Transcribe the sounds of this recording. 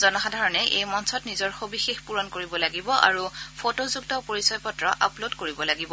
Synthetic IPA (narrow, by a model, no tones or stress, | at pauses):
zɔnɔxadʱaɹɔnɛʔḛjmɔnsɔtnizɔɹxobixexpuɹɔnkoɹibɔlaɡibɔʔa̰ɹupʰotozuktɔpoɹisɔjpɔtɹɔʔa̰plodkoɹibɔlaɡibɔ